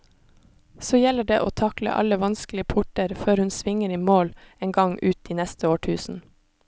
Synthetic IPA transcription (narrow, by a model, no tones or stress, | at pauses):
soːjɛləɖeːʔoːt̪ʰɑklə̰ʔɑ̰ləʋɑnsklɪəpʰʊʈəɾføːɾhʉnsʋɪŋəɾiːmoːleːnɡɑŋʔʉːt̪̚iːnɛst̪əoːʈʰʉːsn̩